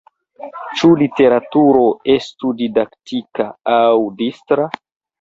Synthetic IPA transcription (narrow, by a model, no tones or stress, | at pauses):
t͡ʃulite̞ɾatuɾo̞e̞studidaktikaawdistɾa